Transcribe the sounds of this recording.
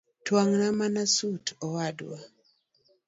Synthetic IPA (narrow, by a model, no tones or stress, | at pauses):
twaŋnamanasutʰɔwadwa